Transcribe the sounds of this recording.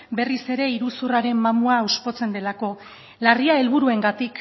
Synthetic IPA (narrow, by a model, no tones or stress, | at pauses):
be̞rise̞ɾe̞iɾusuraɾe̞mːamuaospo̞t͡se̞nd̪e̞lako̞ | lariae̞lβ̞uɾue̞ŋɡat̪ik